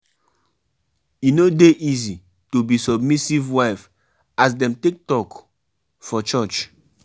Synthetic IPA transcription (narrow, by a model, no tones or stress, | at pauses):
jinodeʔizi | tubisɔbmisivwaɪf | as̬dɛ̃mtek̚tɔk | fɔt͡ʃɔt͡ʃ